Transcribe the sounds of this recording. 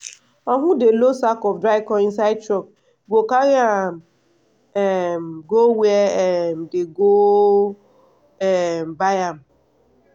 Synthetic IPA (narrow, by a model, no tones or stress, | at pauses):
ɔŋʷʊdelosakɔfdɾaɪkɔins̬aɪtɾɔk | ɡokaɣa | ɛmɡowem̩deɡo | ɛm̩bajam̩